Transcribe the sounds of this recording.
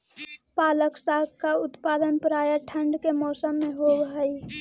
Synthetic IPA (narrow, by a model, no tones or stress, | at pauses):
paːləksaɡkaʊt̪paːd̪ənpəɾaːjaʈʰə̃ɳɖkemɔːsəmːeɦobɦəi